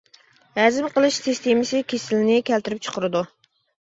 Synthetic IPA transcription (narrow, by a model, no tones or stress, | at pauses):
hɛzɪmqʰəlˠɨʃsɨst̪ʰemɪsɪkʲʰesɪlɪnɪkʲʰɛlt̪ɪɾɪp̚t͡ʃʰə̥qʰəɾɨd̪u